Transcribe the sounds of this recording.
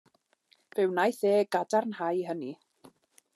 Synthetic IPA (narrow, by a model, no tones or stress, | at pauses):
vɛwnajθeːɡadarnhajɦəni